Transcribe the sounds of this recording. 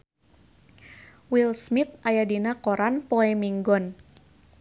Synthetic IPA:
wilsmit̪̚ʔajadinakoɾanpɔɛmiŋɡɔn

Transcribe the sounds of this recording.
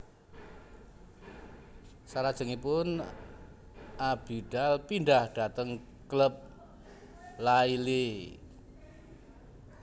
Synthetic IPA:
saɾad̥ʒ̥ə̤ŋipʊn | ab̥iɖ̥alpindahɖ̥a̤t̪əŋ | kləp̚ | laile

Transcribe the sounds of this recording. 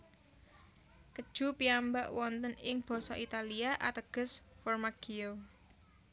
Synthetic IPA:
kəd̥ʒ̥ṳpiambaʔwɔnt̪ənɪŋb̥ɔ̤sɔʔit̪aliaʔat̪əɡ̥ə̤sfɔrmaɡ̥io

